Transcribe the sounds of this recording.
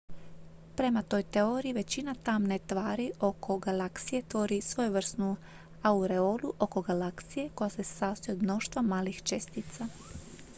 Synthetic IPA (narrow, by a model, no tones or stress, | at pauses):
pɾe̞mat̪o̞jt̪eo̞ɾiiʋe̞t͡ɕinat̪amne̞t̪ʋaːɾiʔo̞kʰo̞ɡalaksije̞t̪ʋo̞ɾisʋo̞juʋr̩snu | auɾe̞oluʔo̞ko̞ɡalaksije̞ko̞jase̞saːst̪ojeod̪mno̞ʃt̪ʋamaːlixt͡ʃest̪it̪sa